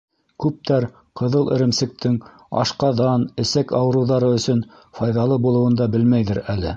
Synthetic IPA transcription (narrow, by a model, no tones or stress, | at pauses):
kʉp̚t̪ʰæɾ | qɤ̆ðɤlˠʔɘ̆ɾɘ̆msɘ̆k̚t̪ʰɘŋ | ɑ̰ʃqɑðɑnɘ̆sækɑwɤ̆ɾɤ̆wðɑɾɤɵ̆sɵn | fɑjðɑlˠɤbulˠɤ̆wɤ̆nd̪ɑbɘlmæjðɘɾælɘ̰